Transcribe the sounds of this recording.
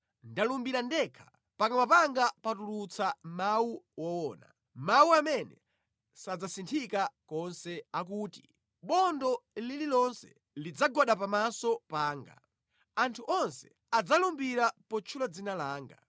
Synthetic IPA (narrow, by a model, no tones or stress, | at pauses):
ndalumbiɾandɛkʰḁ | pakamapaŋɡapatulut͡samawuwɔɔːna̰ | mawuamɛnɛ̰ | sad͡zasintʰikakɔnsɛak̬uːti | ɓɔndɔlililɔnsɛ̥̰ | lid͡zaɡɔɗap̬amasɔpaːŋɡa̰ | antʰuʔɔnsɛ | ad͡zalumbiɾapɔt͡ʃʰulad͡zinalaːŋɡa̰